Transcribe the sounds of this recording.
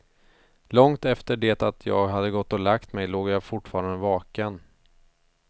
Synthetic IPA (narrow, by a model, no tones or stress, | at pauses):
lɔŋt̪ɛft̪əɖeːt̪at̪ʰjɑ̰ːɡɦad̪ːəɡɔt̪ːɔlakt̪mɛjloːɡjafʊʈːfɑːɾand̪əvɑːkən